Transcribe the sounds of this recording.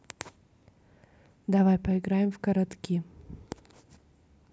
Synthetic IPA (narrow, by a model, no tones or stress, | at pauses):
d̪ɐvajpɐɪɡɾajɪmfkɐɾɐt̪kʲi